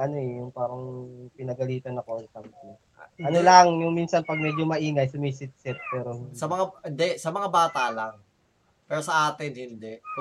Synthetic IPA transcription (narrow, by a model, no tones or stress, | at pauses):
ʔɐno̞ɛjʊŋpaːɾɐŋpɪnɐɡɐliːt̪ɐnːɐkont̪ɐmt̪a | ɐnolɐŋjʊŋminsɐnpɐɡ̚mɛd͡ʒomɐʔiːŋɐjsɐmisɪt̪̚sɪt̪̚pɛːɾosɐmɐŋaɪnd̪ɛsɐmɐŋabaːt̪alaŋ | pɛːɾosɐʔaːt̪ɪnhɪnd̪ɛk